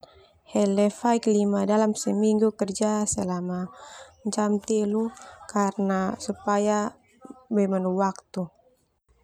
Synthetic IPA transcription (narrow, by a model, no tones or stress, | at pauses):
hɛlɛfajklimadalamsəmiŋɡukərd͡ʒasəlamaɲt͡ʃamt̪ilukarnasupaja | bɛmanuwak̚t̪u